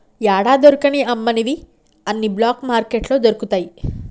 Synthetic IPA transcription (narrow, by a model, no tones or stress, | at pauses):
jaːɽaːd̪oɾukɐniʔɐmːɐnid̪i | ɐnːiblaːkmaːɾkeʈlo̞ːd͡ʒɐɾukut̪aːji